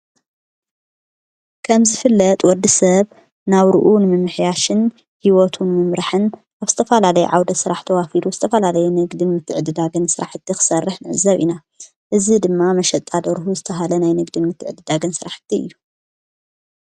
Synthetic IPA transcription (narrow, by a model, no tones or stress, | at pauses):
kʰɐmzɨfɨlːɐt̪ʼwɔd̪ːisɐβ | naβɾɨʔunɨmɨmːɨħjaʃɨn | hiwɔt̪ʰunmɨmɾaħɨn | ʔaβz̥ɨt̪ʰɐfɐlalɐjɛ̰ʕawd̪ɐsɨɾaħt̪ʰɐwafiɾuz̥ɨt̪ʰɐfɐlalɐjɛnɨɡd̪inmɨt̪ʰːɨʕɨd̪ɨd̪aɡɐnsɨɾaħɨt̪ʰːixɨ̥sɐrːɨħnɨʕɨzːɐβʔḭna | ʔɨzid̪ɨmːamɐʃɐt̪ʼːad̪ɐɾɦuzɨt̪ʰɐɦalɐnajnɨɡd̪inmɨt̪ʰːɨʕɨd̪ɨd̪aɡɐnsɨɾaħɨ̥t̪ʰːiʔɨ̰jːu